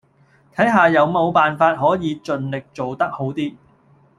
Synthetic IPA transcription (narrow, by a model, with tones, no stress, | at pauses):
t̪ʰɐ˨˥jɦaː˨jɐ˨˧wmo˨˧wpaː˨nfaː˧t̚ɦɔː˨˥jiː˨˧t͡ʃɵ˨nlɪ˨k̚t͡so˨wt̪ɐ˥k̚ho˨˥wt̪iː˥